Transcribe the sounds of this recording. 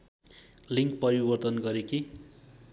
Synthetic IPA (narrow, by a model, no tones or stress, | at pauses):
liŋk̚pʌɾibʌrt̪ʌnɡʌɾeki